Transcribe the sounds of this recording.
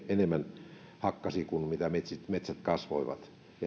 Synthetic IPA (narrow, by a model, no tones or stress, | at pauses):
enemːænhɑkːɑsikunmit̪æmet̪ʲsit̪met̪sæt̪kɑsʋo̰iʋɑ̰t̪ | jɑ